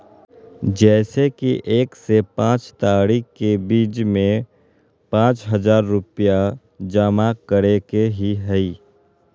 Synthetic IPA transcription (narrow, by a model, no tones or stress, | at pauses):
d͡ʒɛːsekiʔeːksepãːt͡ʃt̪aːɽikebiːt͡ʃmẽ | pãːt͡ʃɦəd͡ʒaːɾːʊpija | d͡ʒaːmakəɾekeɦiɦəiː